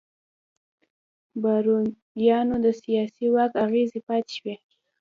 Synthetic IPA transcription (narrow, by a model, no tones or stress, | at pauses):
baɾu | jɑnod̪əsijɑsiwɑkaɣezipɑt̪e̥ʃwe